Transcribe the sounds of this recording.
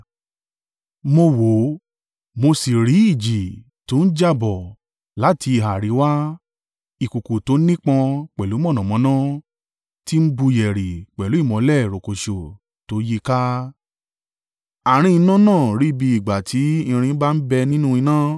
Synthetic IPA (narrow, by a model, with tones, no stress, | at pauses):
mo˧wo˨˦ | mo˧si˨ɾi˨˦i˦˨d͡ʒi˨ | to˨˦n̩˦d͡ʒa˦bɔ˨ | la˨˦tʰi˧i˨ɦa˨ɾi˨˦wa˦ | i˨ku˨ku˨to˨˦nĩ˦k͡pã˧k͡pɛ˨lu˨˦m˦ɔ̃˦˨nã˨mɔ̃˨˦nã˦ | ti˦m̩˦bu˧jɛ˨ɾi˨k͡pɛ˨lu˨˦i˦˨mɔ̃˨˧˦lɛ˦˨ɾo˨ko˨ʃo˨ | to˨˦ji˦ka˦ | a˨ɾ̃ĩ˧i˧nã˦nãː˦˨ɾi˨˦bi˧i˨ɡ͡ba˨ti˨˦ĩ˧ɾ̃ĩ˧˦ba˦n̩˦bɛ˧nĩ˦nũ˦i˧nã˦